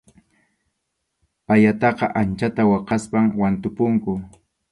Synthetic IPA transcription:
pajat̪ɑqɑʔant͡ʃat̪awɑqɑspaŋwant̪ʊpʊŋkʊ

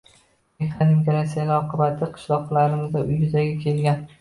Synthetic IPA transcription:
meχanɪmɡʲaɾas̬ijalʲaɒqʰɨbat̪ʰɪqʰɨ̥ʃlˠɒqlˠaɾɪmɪzd̪aʔʊjbɪzaɡʲakʲʰe̞lɡʲan

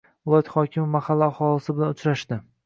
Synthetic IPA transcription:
ʊlˠat̪χɒkʲɪmɪmahalːɪaχɒlˠɪsɪbɪlanʊt͡ʃɾaʃt̪ɪ

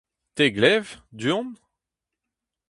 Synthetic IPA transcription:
t̪eɡlɛvd̪yɔ̃n

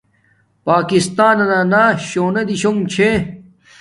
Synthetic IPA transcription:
paːkist̪aːnɐnaːnaːɕoːnɐd̪iɕoŋt͡ɕʰe

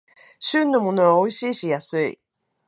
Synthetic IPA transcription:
ɕɨ̃nːo̞mo̞no̞βao̞iɕiːɕijasɨḭ

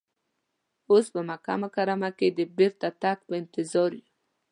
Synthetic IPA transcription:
ospəmaka̰makaɾamaked̪əbɪɾt̪at̪ak̚pəɪnt̪ɪzɑɾju

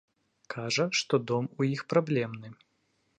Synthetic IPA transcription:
kʰaʐɐʂt̪ɔd̪ɔmujixpɾablʲɛmnɨ

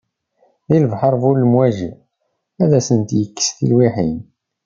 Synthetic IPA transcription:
ðilvħəɾˤvulːəmwæʒḭ | æðæsənt̪jəkːə̥sθḭlwiħin

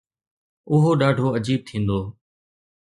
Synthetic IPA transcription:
ʊɦoːɗaːɖʱoːəd͡ʑiːb̚t̪ʰĩːnd̪oː

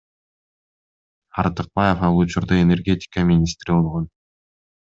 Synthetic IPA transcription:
ɑɾt̪ɨq̚bɑjefɑlˠut͡ʃuɾd̪ɑene̞rɡʲe̞t̪ʲɪ̥kəmʲɪnʲist̪ɾibo̞lˠʁon

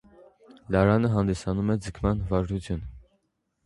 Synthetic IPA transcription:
lɑɾɑnəɦɑnd̪isɑnumɛd͡zəkʰmɑnvɑɾɾut͡sʰjun

